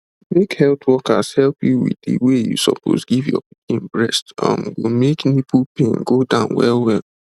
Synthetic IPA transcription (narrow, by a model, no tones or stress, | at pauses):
mekhɛlˠtʰwɔkashɛlpjuwḭdiwejṵsɔpʰo̰sɡivjɔ̰ĩmbɹɛstã̰mɡomeknipʰupʰẽnɡodãʊ̃nwɛlwɛl